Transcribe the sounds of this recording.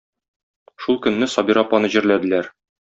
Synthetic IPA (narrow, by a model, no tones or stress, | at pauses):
ʃulˠkɵ̆nːɘsɒbiɾɑpːɑnɤʑɘ̆ɾlæd̪ɘ̆læɾ